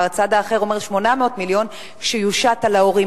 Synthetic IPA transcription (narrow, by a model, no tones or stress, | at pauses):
t͡sad̪aːχe̞ʁo̞me̞ʁʃmo̞nameo̞tmiljo̞n | ʃejuʃatalaoʁi